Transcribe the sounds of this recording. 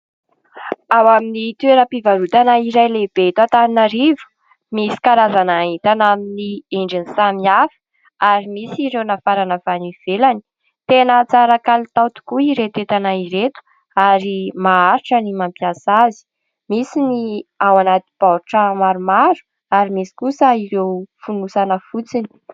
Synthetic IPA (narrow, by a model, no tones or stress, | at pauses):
awaminit̪weɾəpivaɾut̪anaiɾajleb̥et̪at̪aninaɾivu̥ | misi̥kaɾazanait̪anaminieɳɖ͡ʐinisamiafi̥ | aɾimisiɾewnafaɾanəvaniv̥elani̥ | t̪enət͡saɾakalit̪awt̪u̥kuiɾet̪et̪anaiɾet̪u̥ | aɾimaaɾiʈ͡ʂənimampiasazi̥ | misiniawanat̪i̥b̥aɾuʈ͡ʂəmaɾumaɾu̥ | aɾimisi̥kusəiɾewfunusanəfut͡sini̥